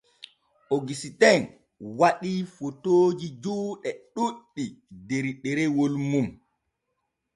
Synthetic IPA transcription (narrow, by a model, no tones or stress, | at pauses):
ʔoɡisitɛn | waɗifotoːd͡ʒid͡ʒuːɗɛɗuɗːideɾiɗɛɾɛwolmum